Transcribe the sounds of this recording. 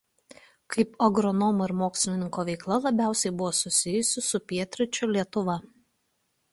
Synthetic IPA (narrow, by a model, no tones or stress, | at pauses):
kʰɐɪpɔɡɾɔnɔmʊɪɾmoːksʲlʲɪnʲɪŋkoːʋʲɛɪklˠɐlˠɐbʲæˑʊsʲɛɪbʊʋoːsʊsʲɪjʊsʲɪsʊpʲiɛt̪ʲɾʲɪt͡ʃʲʊlʲiɛt̪ʊʋɐ